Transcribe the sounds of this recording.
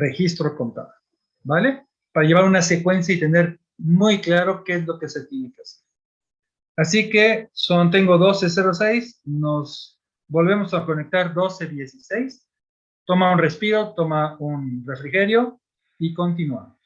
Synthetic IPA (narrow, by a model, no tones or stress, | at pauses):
re̞xist̪ɾoko̞nt̪a̰ðo | bale̞ | paɾaʝe̞βaɾunase̞kwe̞ns̬jait̪e̞ne̞ɾ | mujklaɾo̞keezlo̞ke̞se̞t̪jenekeaseɾ | asike̞sont̪̬e̞ŋɡo̞ðo̞se̞s̬e̞ɾo̞sejsno̞z | bo̞lβe̞mo̞sako̞nek̚t̪aɾðo̞se̞ðje̞sise̞js | t̪o̞maunre̞spiɾo̞t̪o̞maunre̞fɾixe̞ɾjo̞ | iko̞nt̪̬inwa̰mos